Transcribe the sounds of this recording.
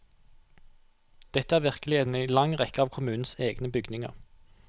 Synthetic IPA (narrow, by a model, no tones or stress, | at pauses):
d̪̥ɛt̪əæːʁʋɪʁkəlɪen̩æɪlɑŋʁɛkəɑːʋkʰʊmʉːn̩seːɡnəbʏɡdnɪŋə̰ʁ